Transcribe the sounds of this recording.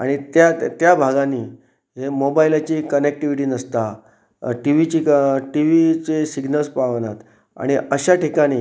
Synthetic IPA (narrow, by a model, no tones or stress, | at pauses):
a̰ɽ̃it̪jat̪jabʱaɡãniː | ɦemobailat͡ɕiːkənek̚ʈiʋiʈiːnəst̪a | ʈiʋit͡ɕiːkʈiʋit͡ɕesiɡnəlspaʋnat̪ | a̰ɽ̃iəɕaʈikaɽ̃iː